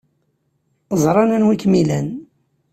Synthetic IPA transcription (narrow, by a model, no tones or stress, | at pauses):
zˤɾˤɑnænwikmilæn